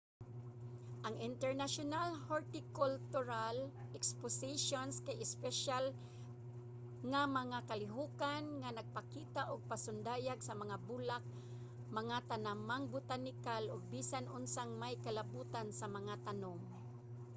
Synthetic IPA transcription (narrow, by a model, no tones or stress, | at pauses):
ʔaŋɪnt̪ɛɹnaʃʊnalhoɹt̪ɪkʊlt̪ʊɾalʔɛkspʊsɪʃonskajɪspɛʃal | ŋamaŋakalɪɦuːkanŋanaɡ̚pakiːt̪aʔʊɡ̚pasʊnd̪aːjaɡsamaŋabulak̚ | mɐŋat̪anamaŋbʊt̪anɪkalʔʊɡ̚biːsanʔʊnsaŋmajkalabuːt̪ansamaŋat̪anoŋ